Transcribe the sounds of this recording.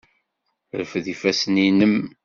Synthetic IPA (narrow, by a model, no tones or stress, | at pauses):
ɾəfðifæsninəm